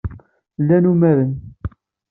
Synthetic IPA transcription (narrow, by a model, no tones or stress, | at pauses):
lːænumæðən